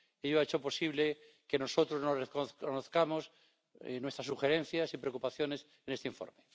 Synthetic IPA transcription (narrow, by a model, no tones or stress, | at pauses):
eʎoaet͡ʃo̞po̞siβle | keno̞so̞t̪ɾoznorekoθonoθkamo̞s | nwet̪ɾas̬uxeɾẽ̞n̟θjasipɾeokupaθjo̞ne̞s | ene̞st̪eiɱfo̰ɾme